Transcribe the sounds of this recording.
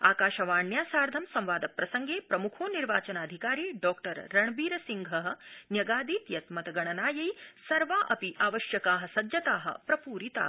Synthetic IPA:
a̰ːkaːʃɐʋaːɳjaːsaːɾd̪ʱɐmsɐ̃mʋaːd̪ɐpɾɐsɐŋɡeːpɾɐmukʰoːniɾʋaːt͡ʃɐnaːd̪ʱikaːɾiːɖɔːkʈɐɾːɐɳbiːɾɐsiŋɡʱɐɦɐ̆njɐɡaːd̪iːt̪jɐt̪mɐt̪ɐɡɐɳɐnaːjɐjsɐɾʋaːʔɐpiʔaːʋɐʃjɐkaːɦɐsɐd̪jɐt̪aːɦɐ̰pɾɐpuːɾit̪a̰ː

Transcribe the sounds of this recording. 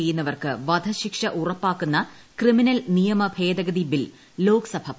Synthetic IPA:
ejːunːɐʋɐrkɨʋɐd̪ʱɐɕikʂɐʔurɐpːaːkːunːɐ | kriminɐlnijɐmɐbʱe̞ːd̪ɐɡɐd̪ibilː | o̞ːkɐsɐbʱɐ

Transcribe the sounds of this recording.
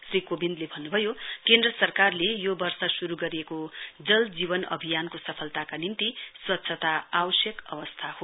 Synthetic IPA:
srikobind̪lebʱʌnːubʱʌjokend̪rʌsʌrkarlejobʌrsʌsuɾuɡʌɾiekod͡zʌld͡zibʌnʌ̰bʱijankosʌpʰʌlt̪akanint̪iswʌtːsʰʌt̪aabʌsjʌkʌbʌst̪ʰaho

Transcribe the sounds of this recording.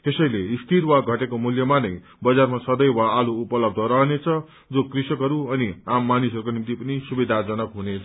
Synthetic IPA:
t̪esʌjleist̪ʰiɾwaɡʱʌʈekomuljʌmanʌj | bʌd͡zarmasʌd̪ʌjwaːluːpʌlʌb̚d̪ʱʌɾʌɦʌnet͡sʰʌ | d͡zokrisʌkɦʌɾuʌniamːanisʌɾukonimt̪ipʌnisubid̪ʱad͡zʌnʌkɦune

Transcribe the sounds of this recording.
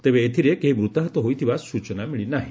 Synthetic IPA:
t̪ebeːt̪ʰiɾekeɦimɾut̪aɦɔt̪ɔɦojt̪ʰibasut͡ʃɔnamiɭinaɦĩ

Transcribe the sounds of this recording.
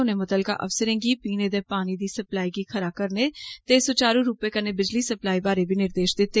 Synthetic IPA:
ʊnemʊt̪əlka̰ʔɐ̰fsəɾẽːŋɡipiːned̪epaːnid̪isɐplaːikixʰɐɾaːkɐɾnet̪eːsot͡ʃaːɾũɾuːpekɐnebɪd͡ʒlisɐplaːibaːɾebʱinɪɾd̪eːʃd̪ɪt̪ːe

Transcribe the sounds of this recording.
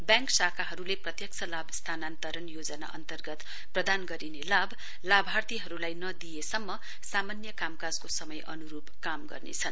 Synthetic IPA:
bjãŋksakʰaɦʌɾuleprʌt̪jʌk̚t͡sʰʌlabst̪ʰanant̪ʌɾʌnjod͡zʌna̰ʔʌ̰nt̪ʌrɡʌt̪ | prʌd̪anɡʌɾinelab | labʱart̪iɦʌɾulajnʌd̪ijesʌmːʌ | samanjʌkamkad͡zkosʌmʌjʔʌ̰nuɾubkamɡʌ̰rnḛt͡sʰʌn

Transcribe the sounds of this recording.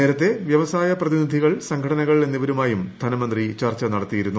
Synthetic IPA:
eːɾɐt̪ːe̞ʋjɐʋɐsaːjɐprɐðinid̪ʱiɣɐɭsɐŋɡʰʱɐɽɐnɐɣɐɭe̞nːiʋɐɾumaːjumd̪ʱɐnɐmɐnd̪rit͡ɕɐrt͡ɕːɐnɐɽɐt̪ːijiɾunːu

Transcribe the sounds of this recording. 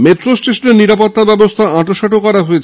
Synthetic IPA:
meʈɾosʈeʃoneɾniɾapot̪ːabɛbost̪ʰaʔãʈoʃɔʈokːɔɾaɦoet͡ɕʰe

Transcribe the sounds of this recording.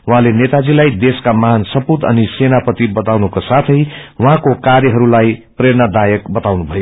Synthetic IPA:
wɦãlenet̪ad͡zilajd̪eskamaɦnsʌput̪ʌ̰nisenapʌt̪ibʌt̪awnukasat̪ʰʌjwɦãkokaɾjʌɦʌɾulajpreɾnad̪ajʌkbʌt̪awnubʱʌjo

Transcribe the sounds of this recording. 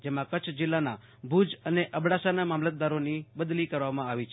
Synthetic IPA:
d͡ʒemãkət͡ʃʰd͡ʒɪlːana | bʱud͡ʒəneʔəbɽasanamamlət̪̚d̪aɾonibəd̪likəɾʋamãaʋit͡ʃʰ

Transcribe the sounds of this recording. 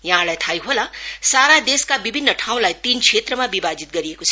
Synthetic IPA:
jaɦãlajt̪ʰajɦolãsaɾad̪eskabibʱinːəʈʰaw̃lajt̪iːnkʰet̪ɾʌmabibad͡zit̪̚ɡʌɾijekot͡sʰʌ

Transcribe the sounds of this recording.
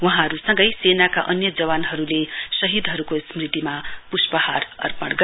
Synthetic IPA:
wʌɦãɦʌɾusʌ̃ŋɡʌjsenaka̰ʔʌnjʌd͡zʌwanɦʌɾulesʌɦid̪ɦʌɾukosmrit̪imapuspʌhaɾʌ̰rpʌɽɡʌ

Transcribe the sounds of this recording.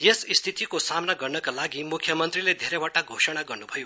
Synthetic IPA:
jesist̪ʰit̪ikosamnaɡʌrnʌkalaɡimukʰjʌmʌnt̪riled̪ʱeɾewaʈaɡʱosʌɽ̃aɡʌrnubʱʌjo

